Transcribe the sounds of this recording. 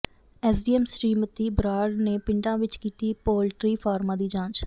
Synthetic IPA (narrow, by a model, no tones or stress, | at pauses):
ɛːsɖiːɛːmsɾiːmət̪iːbɾaːɖneːpɪɳɖãːʋɪt͡ʃkiːt̪iːpoːlʈɾiːpʰaːɾmãːd̪iːd͡ʒãːt͡ʃ